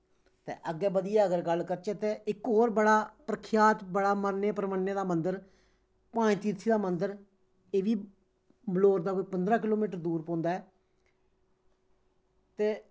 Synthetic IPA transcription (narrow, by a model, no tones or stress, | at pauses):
t̪ḛːʔəɡɛːbəd̪ɪjaːəɡəɾɡəlkəɾt͡ʃeːt̪eːʔɪkɦoːɾbəɽaːpɾəkʰjaːt̪bəɽaːməɾneːpəɾəməɾneːd̪aːmənd̪əɾ | pãːĩːt̪iːɾt̪ʰiːd̪aːmənd̪əɾ | eːʋiː | bəloːɾd̪aːkoːpənd̪ɾãːk̬ɪloːmiːʈəɾd̪uːɾpõːnd̪aːɛː | t̪eː